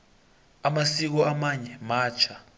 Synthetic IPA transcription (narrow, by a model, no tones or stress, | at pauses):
amasik̬ɔamaɲɛmaːt͡ʃʰa